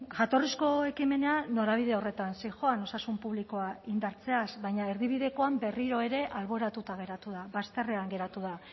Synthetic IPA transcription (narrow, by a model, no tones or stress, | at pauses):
ɡat̪o̞risko̞e̞kime̞ne̞anːoɾaβ̞iðe̞o̞re̞t̪ansejʝo̞ano̞sasumpuβliko̞aind̪aɾt͡se̞asβajɲae̞ɾðiβ̞iðe̞ko̞ambe̞riɾo̞e̞ɾe̞ʔalβo̞ɾat̪ut̪aɣ̞e̞ɾat̪uðaβast̪e̞reaŋɡe̞ɾat̪uða